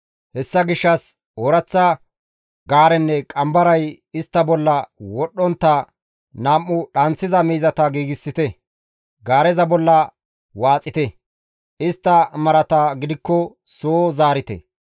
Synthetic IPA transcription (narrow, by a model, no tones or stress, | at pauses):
hɛsːɐɡɪʃːɐs | oɾɐt͡sːɐ | ɡaːɾɛnːɛkʼɐmbɐɾɐj | ɪst̪ːɐbɔlːɐwɔɗːɔnt̪ːɐ | nɐmːʊɗɐnt͡sːɪzɐmiːzɐt̪ɐɡiːɡɪsːɪt̪ɛ | ɡaːɾɛzɐbɔlːɐ | waːt͡sʼːɪt̪ɛ | ɪst̪ːɐmɐɾɐt̪aɡɪd̪ɪkːɔ | soːzaːɾɪt̪ɛ̰